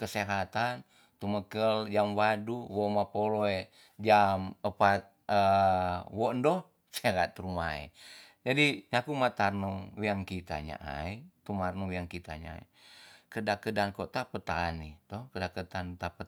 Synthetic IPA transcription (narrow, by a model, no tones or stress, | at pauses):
kəseɦat̪an | t̪uməkəld͡ʒamwaduwomapoloe | d͡ʒaməpat̪̚ə | wondɔh | seɾat̪ɾumaḛ | d͡ʒadiɲakumat̪arnəŋwiaŋkit̪a̰ɲa̰ʔa̰it̪umarnəŋwiaŋkit̪a̰ɲa̰ḭ | kədakədankot̪apət̪anit̪ɔhkədakət̪ant̪apə